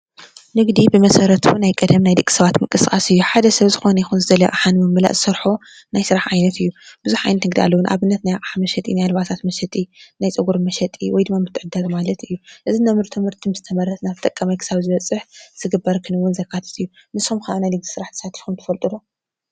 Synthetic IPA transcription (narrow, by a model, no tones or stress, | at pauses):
nɨɡd̪ibɨmɐsɐɾɐt̪bunajkʼɐd̪ɐmnajd̪ɨkʼːi̥sɐβat̪mɨkʼɨskʼasɨjːuħad̪ɐsɐβzɨxo̞nɐjixunzɨd̪ɐlɐj̰ʔʼaħanmɨmːɨla̰ʔzɨsɐɾħo | najsɨɾaħʕajnɐt̪ɨjːub̥ɨzuħʕajnɐt̪nɨɡd̪ia̰lːɐwunʔa̰βɨnːɐt̪najqʼaħamɐʃɐt̪ʼḭnajlɨβat̪ʰat̪mɐʃɐt̪ʼinajt͡sʼɨɡuɾmɐʃɐt̪ʼiwɔjd̪ɨmːamɨt̪ʰːɨʕɨd̪ad̪malɐt̪ʰɨjːuʔɨzinɐmɨɾt̪ʰɨmɨɾt̪ʰimɨzɨt̪ʰɐmɐɾɐt̪naβt̪ʼɐkʼːɐmɐjkʰɨ̥saβzɨβɐt͡sʼːɨħz̥ɨɡɨbːɐɾkʰɨnɨwʊnzɐkʰːat̪ʰɐ̥t̪ʰɨjːunɨsomkʰaʔanajlɨɡ̚d̪i̥sɨɾaħt̪ʰɐ̥sat̪ʰi̥xumt̪ʰɐfɐlt̪ʼɨlu